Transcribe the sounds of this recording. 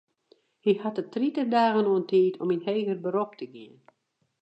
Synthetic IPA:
hihatətritərdaːɣənoəntʰiːtʰɔminheːɣərbəɾop̚tʰəɡɪən

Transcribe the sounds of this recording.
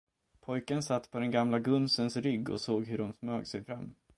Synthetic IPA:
pʰɔjkənsat̪ːpʰɔd̪ɛnɡamlaɡɵnsənsɾʏɡːɔ̰soːɡhɵɖɔmsmøːɡsɛjfɾamː

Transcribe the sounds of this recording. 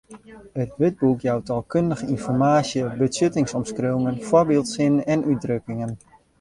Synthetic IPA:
ətʋɪd̚bukjawtalˠkøndəxəinfɔrmaːsjəbəsøtɪŋsɔmskrøwŋənforbɪːlˠtsɪnɛnyt̚drøkɪŋən

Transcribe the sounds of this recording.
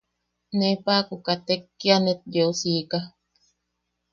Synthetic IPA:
nepakukat̪ekːianet̪̚jeusika

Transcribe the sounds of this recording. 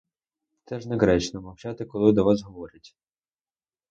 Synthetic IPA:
t̪sɛʒnɛɦɾɛt͡ʃnɔmɐwt͡ʃɑt̪ɪkɔlˠɪd̪ɔʋɑsɦɔʋɔɾʲɪtʲ

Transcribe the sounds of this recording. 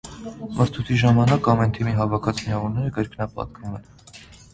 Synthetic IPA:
mʔəst̪ʰut̪ʰiʒɑmɑnɑkɑmɛnt̪ʰimiɦɑvɑkʰɑt͡sʰmiɑvuɾnɛɾəɡəɾkʰnɑpɑ̰t̪̚kvumɛn

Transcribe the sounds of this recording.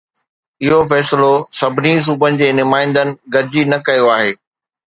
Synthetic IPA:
ɪɦofɛːsɪlosɐbʱɪnis̬uːbənɪ̆d͡ʑeːnʊmaːɪ̃nd̪ənɪ̆ɡɐɾd͡ʑinɐkɐjoaːɦeː

